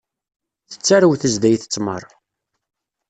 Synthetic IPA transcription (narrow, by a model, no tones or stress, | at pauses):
θə̥t͡sːaɾəwθəzd̪æjθə̥t͡sːmə̰ɾˤ